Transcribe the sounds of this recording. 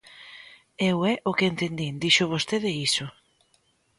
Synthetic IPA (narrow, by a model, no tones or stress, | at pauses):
ewɛʔʊkɪent̪end̪ind̪iʃʊβ̞ost̪eðeisʊ